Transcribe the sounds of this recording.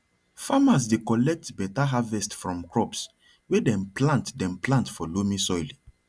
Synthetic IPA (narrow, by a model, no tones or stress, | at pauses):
famas̬dekɔlɛk̚tbɛtaɦavɛstfɹɔ̃mkɹɔps | wedɛ̃mplãntdɛ̃mplãntfɔlomĩsɔjli